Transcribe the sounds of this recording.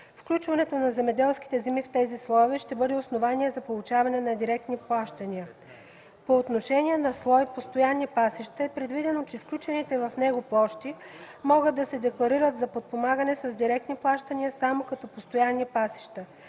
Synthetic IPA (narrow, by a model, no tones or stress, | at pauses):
fklʲut͡ʃvɐnɛt̪onɐzɛmɛd̪ɛlˠsk̟i̥t̪ɛzimift̪ɛzislˠɔjvɛʃt̪ɛbɤd̪ɛosnovaniɛzɐpolˠut͡ʃavɐnɛnɐd̪iɾɛk̚t̪niplˠaʃt̪ɐnʲiə | poːt̪noʃɛnʲiɛnɐslˠɔjpost̪ojanːipasiʃt̪əɛpɾɛd̪vid̪ɛnot͡ʃɛfklʲut͡ʃɛnit̪ɛvɐfnɛɡoplˠɔʃt̪imɔɡɤd̪ːɐsɛd̪ɛklˠɐɾiɾət̪zɐpot̪̚pomaɡənɛsɐzd̪iɾɛk̚t̪niplˠaʃt̪ɐnʲiəsamokɐt̪ɔpost̪ojanːipasi̥ʃt̪ə